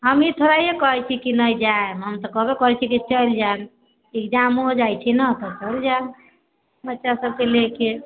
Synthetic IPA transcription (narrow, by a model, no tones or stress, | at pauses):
ɦəmit̪ʰoɾaiekɔɦɛt͡ʃʰikinəjd͡ʒaemɦəmt̪ɔkɔbekɔɦɛt͡ʃʰikit͡ʃəjld͡ʒan | ekd͡ʒamod͡ʒajt͡ʃʰinət̪ɔt͡ʃəild͡ʒan | bətːʃʰasəb̚keleke